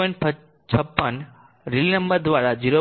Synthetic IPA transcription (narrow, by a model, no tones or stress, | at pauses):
ənpʰə | t͡ɕʰəpːən | ɾilinɐmbəɾd̪ʋaɾad͡ʒiɾo